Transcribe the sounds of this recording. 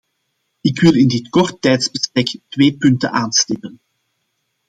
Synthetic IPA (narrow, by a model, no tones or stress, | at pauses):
ɪkʋɪlˠɪndɪtkɔrtːɛjtzbəspɛktʋeːpʏntə̰nʔaːnstɪpən